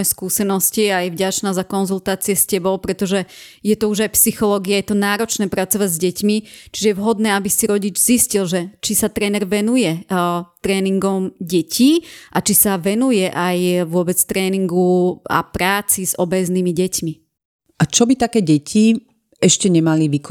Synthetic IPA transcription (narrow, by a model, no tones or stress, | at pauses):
jɛskuːsɛnɔsciajɛvɟat͡ʃnaːzakɔnzult̪aːt͡siɛscɛbɔʊpɾɛt̪ɔʒɛ | jɛt̪ɔuʒajpsixɔlɔːɡiajɛt̪ɔnaːɾɔt͡ʃnɛːpɾat͡sɔʋaɟzɟɛcmit͡ʃiʒɛjɛʋɦɔd̪nɛːabisiɾɔɟid͡ʒziscilʒɛt͡ʃisat̪ɾɛːnɛɾʋɛnujɛt̪ɾɛːniŋɡɔmɟɛcʰiːʔat͡ʃisaʋɛnujɛʔajʋʊɔbɛt͡st̪ɾɛːniŋɡua̰pɾaːt͡siz̥ɔbɛzniːmiɟɛcmi | ʔat͡ʃɔbit̪akɛːɟɛcʰi | ɛʃcɛɲɛmaliʋik